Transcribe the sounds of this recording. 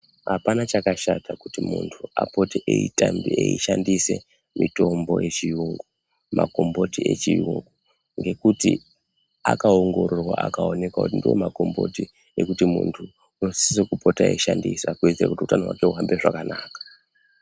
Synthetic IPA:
ɦapanat͡ʃakaʃatakutimṵntʰuapo̞teʔeitambieiʃandise | mito̞mbo̞je̞t͡ʃijuŋɡu | ma̰ko̞mbo̞tie̞t͡ʃijuŋɡu | ŋɡe̞kuti | a̰kaoŋɡo̞ɾorwa̰ʔakao̞ne̞kwakutindiwḛmako̞mbo̞̰ti | ekutimṵntʰu | unosisekupo̞taeiʃandisakued͡zeɾa̰kutiutanowa̰keuɦambeʐakanaːkḁ

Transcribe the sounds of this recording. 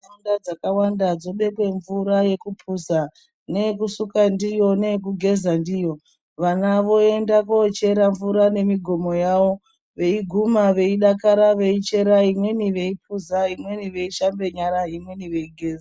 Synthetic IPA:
eundad͡zakawandad͡zo̞ɓe̞kwe̞ɱvuɾaje̞kupʰuza | ne̞kusukandijo̞ne̞k̬uɡʱe̞zandijo̞ | ʋanaʋo̞e̞ndakot͡ʃe̞ɾaɱvuɾane̞miɡʱo̞mo̞jaʋo̞ | ʋe̞iɡʱumaʋe̞iɗakaɾaʋe̞it͡ʃe̞ɾaɦimwe̞niʋe̞ip̚ʰuzaimwe̞niʋe̞iʃambe̞ɲaɾaɦimwe̞niʋe̞iɡʱe̞ːza

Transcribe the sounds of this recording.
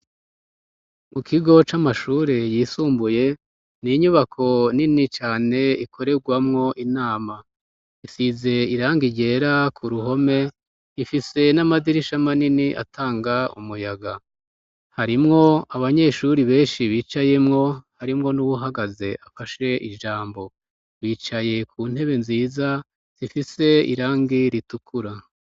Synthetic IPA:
mukʰiɡo̞t͡ʃamaʃuːɾe̞jiːsuːmbuje̞ | niɲuβakʰo̞ninit͡ʃaːne̞ikʰo̞ɾe̞ɡwamŋo̞ʔinaːma | isize̞iɾaːŋɡiɟe̞ːɾakʰuɾuɦo̞me̞ | ifise̞namadiɾiʃamaniniʔa̰tʰaːŋɡaṵmujaɡa | haɾimŋo̞aβaɲe̞ʃuɾiβe̞ːnʃiβiːt͡ʃaje̞mŋo̞haɾimŋo̞nuβuɦaɡaze̞ʔafaʃe̞ʔiʒaːmbo̞ | βiːt͡ʃaje̞kʰuːn̥e̞βe̞nziːza | z̥ifise̞ḭɾaːŋɡiɾitukʰuɾa

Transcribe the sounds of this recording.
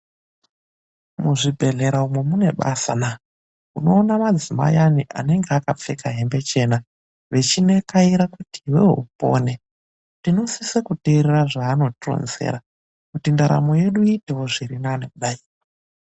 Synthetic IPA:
muʐibʱe̞ɮe̞ɾaumwemune̞ɓa̰sana | uno̞ːnamad͡zima̰janiʔa̰ne̞ŋɡeakap͡fekaɦe̞mbe̞t͡ʃe̞na | ʋe̞t͡ʃine̞kaiɾakutiwḛɦṵpo̰ːne | tino̞sisekuteɾeraʐaːno̞tro̰nzḛɾa | kutindaɾa̰mo̞je̞ɗuiteo̞ʐiɾinanekuɗaiːra

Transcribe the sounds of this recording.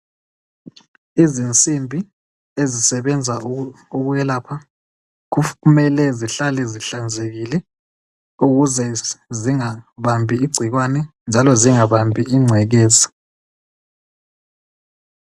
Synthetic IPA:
izint͡sʼimbʱi | ezisɛβɛnd͡zʱauɣuɣɛlaːpʰa | kumɛlɛziɬalɛziɬand͡zʱeɣilɛ | uɣuzɛziŋaβambʱiːɡ͡ǀʱiɣwanɛnd͡ʒʱalɔziŋaβambʱiiŋ͡ǀʱɛɣeːzi̥

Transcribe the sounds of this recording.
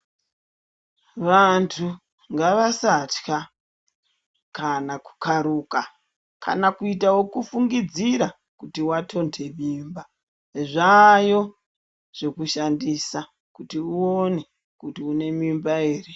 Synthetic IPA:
ʋantʰu | ŋɡaʋasatka | kanaku̥kʰaɾuːka | kʰa̰nakuitawo̞kufuŋɡid͡ziɾa | kutiwatʰo̞ntʰe̞miːmba | ʐajo̞ | ʐ̥e̞kuʃandisa | kutiuo̞ne̞ | kutiune̞mimbaeːri

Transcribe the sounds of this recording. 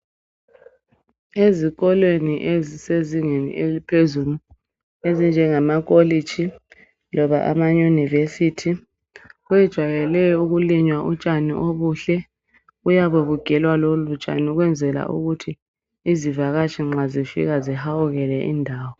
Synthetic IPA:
eziɣɔlweniʔeziseziŋenḭelipʰezulu | ezind͡ʒʱɛŋamakʼoli̥t͡ʃi | lɔβaʔa̰majunivesitʰi | wɛd̥ʒ̥ʱwajɛlɛjɔuɣuliɲwaʔut͡ʃʼanḭʔoβuɬɛ | ujaβeβuɡ̥ʱɛlwalolut͡ʃʼa̰nuɣwɛnd͡zʱɛla̰ʔṵɣutʰi | izivaɣat͡ʃʰʼiŋ͡ǁazifḭɣazihauɣɛlɛʔindʱaːwɔ

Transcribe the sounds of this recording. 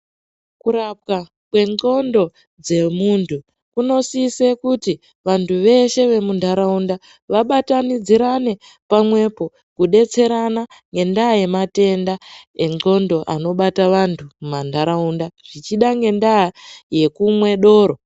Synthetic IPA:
kuɾap̚ka | kwe̞ŋ͡ǃo̞ndo̞ | d͡ze̞muntʰu | kuno̞sisekuti | ʋantʰuʋe̞ʃe̞ʋe̞mundʱaɾaunda | ʋaɓatanid͡ziɾane̞ | pamwe̞po̞ | kuɗe̞t͡se̞ɾana | ŋɡe̞ndaːje̞mate̞ndaeŋo̞ndo̞ʔa̰no̞ɓataʋantʰumumandʱaɾaundaʐ̥it͡ʃiɗaŋɡe̞ndaːje̞kumwe̞ɗo̞ːɾo

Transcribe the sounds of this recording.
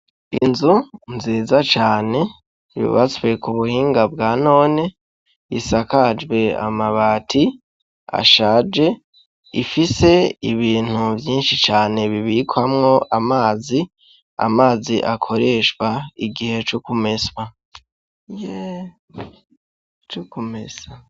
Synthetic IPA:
inzunziːzat͡ʃaːne̞ | βḭβa̰t͡swe̞kuβuhiːŋɡab̚ɡaːno̞ːne̞ | isakad͡ʒɡwe̞a̰maβaːtʰi | a̰ʃaːd͡ʒe̞ | ifise̞iβiːn̥huvjiːnʃit͡ʃaːne̞βiβikʰwamŋo̞ʔamaːzi | a̰maːziʔakʰo̞ɾe̞ːʃwaiɡihe̞t͡ʃukume̞swa | je | t͡ʃukumesa

